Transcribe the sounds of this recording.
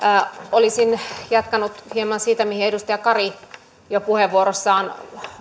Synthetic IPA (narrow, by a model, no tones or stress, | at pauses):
olisinjɑt̪kɑnut̪hiemɑnsiːt̪æmihiedust̪ɑjɑkɑri | jopuheʋuoɾosːɑːn